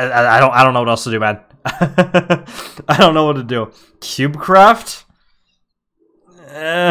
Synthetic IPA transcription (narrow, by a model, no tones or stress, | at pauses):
aaɪɾõʊ̃naɪɾõnoʊʌɾɛlstədɨmæ̃n | aɪdõʊ̃nːoʊwʌtʰɨdɨ | kʰj̥ʉb̚kʰɹ̥æft̚